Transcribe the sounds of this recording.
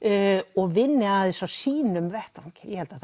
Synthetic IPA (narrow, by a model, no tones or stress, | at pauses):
ɔɣvɪnːɪaðɪsawsiːnʏmvɛht̪akjɛhɛlt̪aθ